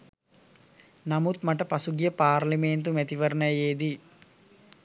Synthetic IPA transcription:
namut̪maʈəpɐsuɡijəpaːrliment̪umæt̪iʋəɾnəjjeːd̪i

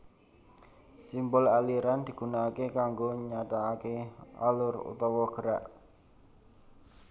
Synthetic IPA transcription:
simbʊlaliɾand̪̥i̤ɡ̥ṳnaːkekaŋɡoɲat̪aːkea̰lʊrṵt̪ɔwɔɡ̥əɾaʔ

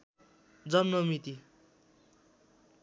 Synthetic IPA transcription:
d͡zʌnmʌmit̪i

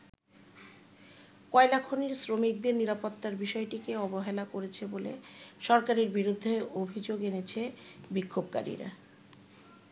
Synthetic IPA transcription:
kɔelakʰoniɾsɾomik̚d̪eɾniɾapot̪ːaɾbiʃɔeʈikeɔboɦelakoɾet͡ɕʰebolḛʃɔɾkaɾeɾbiɾud̪ʱːeobʱid͡ʑoɡenet͡ɕʰebikʰːobka̰ɾḭɾa̰

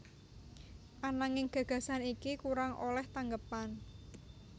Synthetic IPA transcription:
ʔanaŋɪŋɡ̥a̤ɡ̥ä̤sanikikuɾaŋʔo̰lɛht̪aŋɡəpan

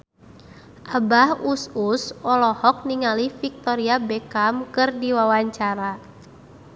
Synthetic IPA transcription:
ʔabahususɔlɔhɔk̚niŋalifik̚t̪ɔɾiabɛkamkɨrdiwawaɲt͡ʃaɾa

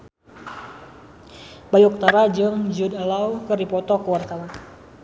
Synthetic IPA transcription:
bajɔk̚t̪aɾad͡ʒɨŋd͡ʒudalawkəripɔt̪ɔkəwart̪awan

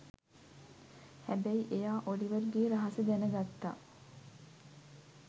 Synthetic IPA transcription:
hæbæiʔejaːʔoɽiʋɐɾuɡiːɾɐɦɐsɐɡ̪ænəɡɐt̪ːa̰

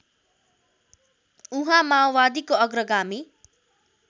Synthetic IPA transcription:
uɦãmawbad̪ikoʌɡrʌɡami

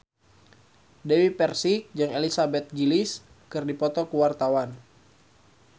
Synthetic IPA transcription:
dewipɛrsik̚d͡ʒɨŋelisabɛt̪̚ɡilis | kɨrdipɔt̪ɔkuwart̪awan

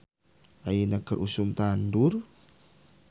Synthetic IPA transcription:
ainakəɾʔusumt̪anduɾ

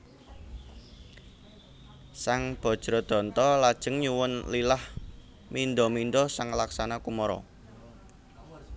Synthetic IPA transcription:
saŋb̥ɔ̤d̥ʒ̥ɾɔd̪̥ɔ̤nt̪ɔlad̥ʒ̥ə̤ŋɲuwʊnlilah | mind̪ɔminɖ̪ɔsaŋlaksanakumɔɾɔ̰

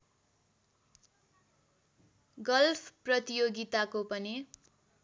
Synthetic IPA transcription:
ɡʌlpʰprʌt̪ijoɡit̪akopʌni

